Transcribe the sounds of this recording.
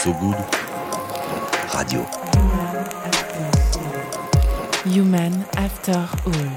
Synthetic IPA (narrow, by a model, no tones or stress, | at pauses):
soɡud̪ | ʁa̰d̪jo̰ | jumãn | aftɛ | jumanaft̪œʁul